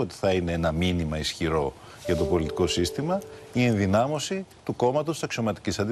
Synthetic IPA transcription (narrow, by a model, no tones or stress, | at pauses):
ot̪i̥θɐine̞enɐminimɐisçiɾo̞ | ʝɐt̪o̞po̞lit̪i̥ko̞sist̪imɐ | ie̞nðinɐmo̞sit̪uko̞mɐt̪ost̪isɐksio̞mɐt̪i̥cisɐnd̪i